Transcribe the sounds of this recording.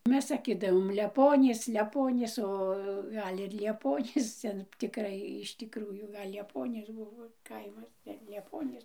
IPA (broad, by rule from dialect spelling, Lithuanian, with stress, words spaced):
ˈmʲɛs sɐˈkʲɪdɐʋoːm lʲɛˈpoːnʲiːs lʲɛˈpoːnʲiːs oː ˈɡɐlʲ ɪr lʲiɛˈpoːnʲiːs ˈtʲɛn tʲɪkˈrɐɪ ɪʃ tʲɪkˈruːjuː ˈɡɐlʲ lʲiɛˈpoːnʲiːs ˈbʊʋoː ˈkɐɪmɐs ɡɐlʲ lʲiɛˈpoːnʲiːs